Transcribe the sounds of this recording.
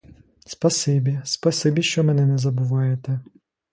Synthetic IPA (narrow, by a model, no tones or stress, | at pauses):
spɐsɪbʲispɐsɪbʲiʃt͡ʃɔmɛnɪnɛzɐbʊʋɑjet̪ɛ